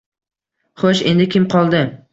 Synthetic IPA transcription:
χoʃe̞̰nd̪ɪkʲʰɪmqʰɒlˠd̪ɪ

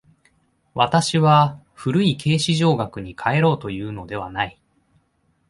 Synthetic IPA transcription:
βat̪aɕiβa | ɸɯ̟ɾɯ̟ikʰe̞ːɕiʑo̞ːɡakɯ̟ɲ̟ikʰae̞ɾo̞ːt̪o̞jɯ̟ːno̞d̪e̞β̞a̰nai

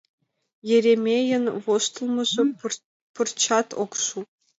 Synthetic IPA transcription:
jɘ̆ɾʲemʲejɘ̆nʋost̪ɤ̆lˠmɤ̆ʐɤ̆ | pɤ̆rt͡ɕɑt̪okʂu

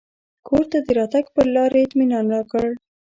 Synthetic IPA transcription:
kʰoɾt̪ad̪əɾɑt̪aɡpəɾlɑɾaɪt̪minɑnɾɑkəɽ

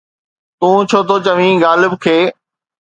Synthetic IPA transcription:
t̪ũːt͡ɕʰoːt̪oːt͡ɕəʋ̤ĩːɡaːlɪbkʰeː

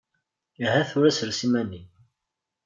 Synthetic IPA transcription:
ɦæθuɾæsəɾsimænːi

